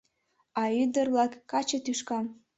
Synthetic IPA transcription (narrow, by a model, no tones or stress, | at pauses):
ɑyd̪ə̆rβlɑkːɑt͡ɕet̪yʃkɑm